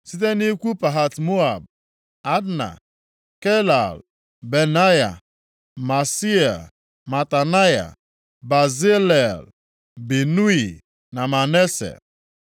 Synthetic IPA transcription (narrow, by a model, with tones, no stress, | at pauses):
si˦t̬e˦ni˦kʷu˦pa˨ɦa˨tmo˦a˨b̚ | a˦dna̰˨ | ke˦la̰˨l | be˨na˦ja̰˨ | ma˨si˦e˨l | ma˨ta˨na˦ja̰˨ | ba˨ze˦le˨l | bi˨nu˦i˨ | na˨ma˨ne˦sḛ˨